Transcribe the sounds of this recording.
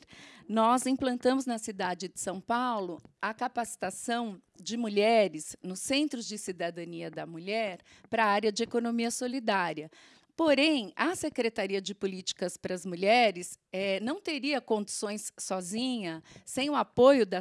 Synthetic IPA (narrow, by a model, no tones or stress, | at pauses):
nɔzĩplɐ̃nt̪ɐ̃mʊznɐsid̪ad͡ʒɪd͡ʒɪ̥sɐ̃w̃pawlʊɐkapasi̥t̪asɐ̃w̃ | d͡ʒɪmuʎɛɾɪznʊsːẽnt̪ɾʊzd͡ʒɪsid̪ad̪ɐ̃niɐd̪ɐmuʎɛɾ | pɾɐaɾɐd͡ʒɪekonomiɐsolid̪aɾiɐ | poɾẽj̃ɐsekɾet̪aɾiɐd͡ʒɪpʊlit͡ʃi̥kɐspɾɐzmuʎɛɾɪsɛnɐ̃w̃t̪eɾiɐkõnd͡ʒisõj̃sːɔzĩɲɐsẽj̃ʊapojʊd̪ɐ